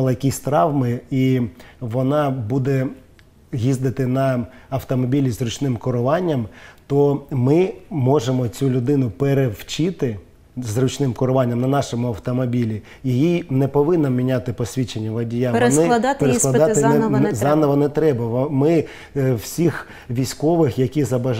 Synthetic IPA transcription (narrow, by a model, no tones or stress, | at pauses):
lˠɐjɐkʲisʲt̪ɾɑwmɪiʋɔnɑbud̪ɛ | ɦʲizd̪ɪt̪ɪnɐɐwt̪ɔmɔbʲilʲizrʊt͡ʃnɪmkɔɾʊʋɑnʲːɐmt̪ɔmɪmɔʒemɔt͡sʲulʲʊd̪ɪn̪ʊpeɾewt͡ʃɪt̪ɪ | zrʊt͡ʃnɪmkɔɾʊʋɑnʲːɐmnɐnɑʃɔmʊɐwt̪ɔmɔbʲilʲi | jijinɛpɔʋɪnːɐmʲinʲat̪ɪpɔsʲʋʲit͡ʃenʲːɐʋɐdʲijaʋɔnɪtp̪eɾesklˠɐd̪ɑɪzɑnɔʋɐnɛt̪ɾɛbɐmɪ | wsʲix | ʋʲijsʲkɔʋɪxjɐkʲizɐbɐ